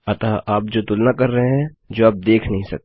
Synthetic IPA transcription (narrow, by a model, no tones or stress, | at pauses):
ɐt̪aːʔaːp̚d͡ʒoːt̪ʊlnakɐɾːɐɦeɦɛ̃ | d͡ʒoːaːp̚d̪eːkʰnɐɦĩsɐ̰k̚t̪